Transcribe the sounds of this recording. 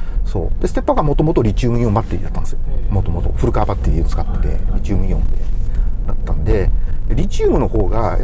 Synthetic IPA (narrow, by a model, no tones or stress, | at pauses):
so̞̰ːd̪̥esɨ̥t̪e̞pːaɡamo̞t̪o̞mo̞t̪o̞ɾʲit͡ɕɨːɯ̟ĩjõmbat̪ːeɾḭd̪at̪ːand̪esɨjomo̞t̪o̞mo̞t̪o̞̰ɸɯ̟ɾɯ̟kaːbat̪ːeɾʲiot͡sɨ̥kat̪ːet̪e̞̰ɾʲit͡ɕɨːmɯ̟ĩõnd̪ed̪at̪ːãnd̪e̞d̪eɾʲit͡ɕɨːmɯ̟no̞ho̞ːɡa